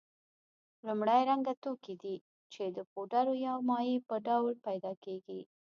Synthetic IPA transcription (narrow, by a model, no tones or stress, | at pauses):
lumɽajɾaŋɡat̪okid̪i | t͡ʃed̪əpoɖaɾojɑwmɑjipəɖawlpajd̪ɑkeɡi